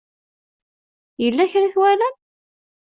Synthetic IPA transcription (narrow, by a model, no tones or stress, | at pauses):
jəlːæçɾiθwælæn